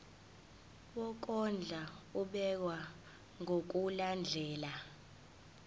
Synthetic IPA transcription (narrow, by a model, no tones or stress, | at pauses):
wɔk̬ʼɔnd͡ɮʱauɓɛk̬wa | ŋʱok̬uland͡ɮʱɛːla